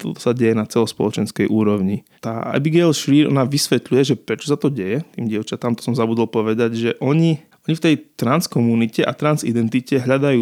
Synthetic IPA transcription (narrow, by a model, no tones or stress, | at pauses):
t̪ɔt̪ɔ̥saɟɛjɛnat͡sɛlɔspɔ̰lɔt͡ʃɛnskɛjʔuːɾɔʊɲi | t̪aːa̰biɡɛlʃliːɾɔ̰naʋisʋɛt̪lujɛʒɛpɾɛt͡ʃɔ̥sat̪ɔɟɛjɛt̪iːmɟɪɛʊt͡ʃat̪amt̪ɔ̥sɔmzabud̪ɔlpɔʋɛd̪aɟʒɛʔɔɲiʔɔɲift̪ɛjt̪ɾanskɔmunicɛʔat̪ɾanzḭd̪ɛnt̪icɛɦʎad̪ajuː